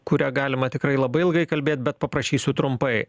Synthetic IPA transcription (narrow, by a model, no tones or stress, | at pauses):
kʊɾʲæːɡɑːlʲɪmɐt̪ʲɪkɾɐɪlˠɐbɐɪɪlˠɡɐɪkɐlʲbʲeːt̪̚ʲbʲɛt̪̚pɐpɾɐʃʲiːsʲʊt̪ɾʊmpɐɪ